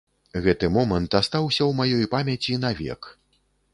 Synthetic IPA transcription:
ɣɛt̪ɨmɔmɐnt̪ast̪awsʲɐwmajɔjpamʲɐt͡sʲinavʲɛ̰k

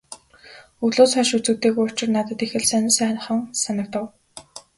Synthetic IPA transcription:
uɮoːsχɔʃut͡sɘ̆t̪eːɣujʊr̥t͡ɕɪ̆rnat̪ə̆t̪exɘ̆ɮsœnɪ̆sæːn̆χə̆ŋsanə̆k̚t̪ə̆w

